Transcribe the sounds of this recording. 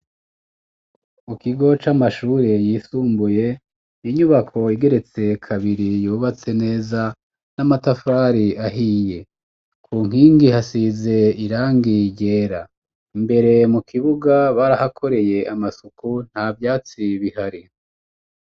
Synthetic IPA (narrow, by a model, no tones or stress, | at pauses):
mukiɡo̞t͡ʃamaʃuːɾe̞jiːsuːmbuje̞ | niɲuβakʰo̞iɡe̞ɾe̞t͡se̞kʰaβiɾijuːβat͡se̞ne̞ːza | namatafaɾiaɦije̞ | kʰuːŋ̥hiːŋɡihasize̞iɾaːŋɡiɟe̞ːɾa | imbe̞ɾe̞mukʰiβuɡaβaːɾahakʰo̞ɾe̞je̞amasukun̥havjaːt͡siβihaɾi